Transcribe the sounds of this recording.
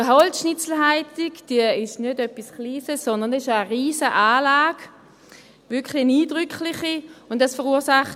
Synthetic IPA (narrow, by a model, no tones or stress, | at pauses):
əɦɔltʃnɪt͡sl̩ɦaɪtɪkd̥iəɪʃnødœpːiskliːsəssɔndɐnɪʃəʁiːzəʔaːlaːɡ̥ | vɪɐkχliniːdʁʏkʰlɪχiʊntasfəʁuːɐsaχt